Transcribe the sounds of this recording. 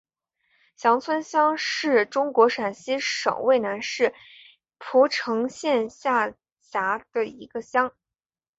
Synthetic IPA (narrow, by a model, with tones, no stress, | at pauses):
ɕjɑ˧˥ŋt͡sʰwə˥nɕjɑ˥ŋʂɻ̩˥˩ʈ͡ʂʊ˥ŋkwɔ˧˥ʂa˨˩nɕi˥ʂɤ̰˨˩ŋwe˥˩ɪna˧˥nʂɻ̩˥˩ | pʰu˧˥ʈ͡ʂʰɤ˧˥ŋɕjɛ˥˧nɕja˥˩ | t͡ɕa˧˥d̪̥ə˧i˧˥ɡə˧ɕjɑ˥ŋ